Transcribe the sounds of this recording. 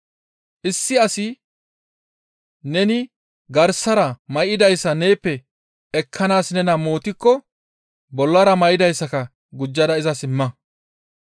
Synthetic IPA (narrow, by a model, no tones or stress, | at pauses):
ʔɪsːɪɐsɪ | nɛnɪ | ɡɐɾsɐɾɐmɐjɪd̪ɐjsːɐneːpːɛ | ɛkʰːɐnaːsnɛnɐmo̞ːt̪ɪkːɔ | bɔlːɐɾɐmɐjɪd̪ɐjsːɐkɐ | ɡʊd͡ʒːɐd̪ɐɪzɐsɪmːɐ